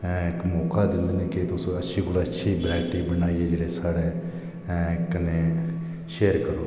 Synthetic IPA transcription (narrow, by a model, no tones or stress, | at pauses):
ɪkmɔːkaːd̪ɪnd̪eneːket̪ʊsõətːʃʰiːɡʊlaətːʃʰiːbɾɛːʈiːbənaːiːeːd͡ʒeːɽeːsaːɽeː | kəneː | ʃeːəɾkəɾoː